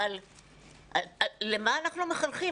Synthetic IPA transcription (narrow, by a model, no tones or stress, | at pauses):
al | alemaːnaχnumeχalχi